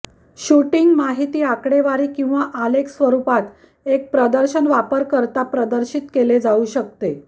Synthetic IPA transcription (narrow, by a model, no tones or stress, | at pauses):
ɕuʈiŋɡmaɦit̪iːakɽeʋaɾiːkĩw̃ʋaʔaleksʋəɾupat̪ | ek̚pɾəd̪əɾɕənʋapəɾkəɾt̪apɾəd̪əɾɕit̪keled͡zauɕək̚t̪e